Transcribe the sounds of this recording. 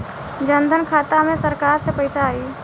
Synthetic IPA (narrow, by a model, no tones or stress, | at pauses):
d͡ʒənd̪ʱənkʰaːt̪amẽsəɾkaːɾsepəɪsaːiː